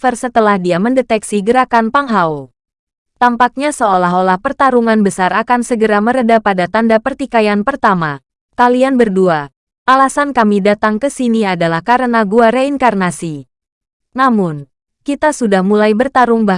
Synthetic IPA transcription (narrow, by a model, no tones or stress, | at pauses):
fərsət̪əlahdiaməndɛt̪ɛksiɡəɾakanpaŋɦaw | t̪ampak̚ɲasəolaɦolahpərt̪aɾuŋanbəsaɾakansəɡəɾaməɾədapadat̪andapərt̪ikajanpərt̪ama | kalianbərdua | ʔalasankamidat̪aŋkəsiniadalahkaɾənaɡuaɾeiŋkarnasi | namʊn | kit̪asudahmulajbərt̪aɾuŋba